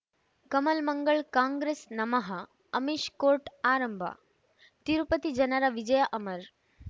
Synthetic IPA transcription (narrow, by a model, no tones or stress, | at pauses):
kɐmɐlmɐŋɡəɭkãːŋɡɾeːsnɐmɐɦɐ | ɐmiʃkoːɾʈaːɾəmbʱa̰ | t̪iɾpət̪id͡ʒɐnaɾaʋid͡ʒɐjaʔɐmɐɾ